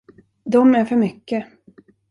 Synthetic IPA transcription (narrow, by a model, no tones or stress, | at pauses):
d̪ɔmæɾfœɾmʏkːə